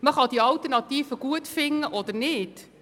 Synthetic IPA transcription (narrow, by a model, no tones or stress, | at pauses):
məχɑdiɑltərnɑtiːfəɡ̥uətfɪŋːəʔɔdəɾnɪt